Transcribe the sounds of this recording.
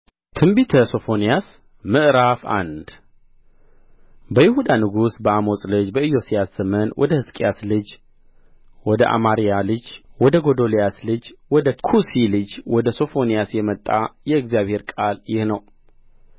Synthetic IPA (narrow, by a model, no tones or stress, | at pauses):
t̪ʰɨmbit̪ʰəso̞fo̞nijas | mɨʔɾafa̰nd̪ | bəjɪhud̪anɨɡusbəamo̞sʼlɨd͡ʒbəɨjo̞sijasːəmənwʔɔ̰d̪əhɨskʼjaslɨd͡ʒ | wɔd̪əʔa̰maɾijalɨd͡ʒwɔd̪əɡo̞d̪olijaslɨd͡ʒwɔd̪əkʰusilɨd͡ʒwɔd̪əso̞fo̞nijasjɛmət̪ʼːa̰jɛɨɡzijaβhe̞ɾkʼaljɪhnəw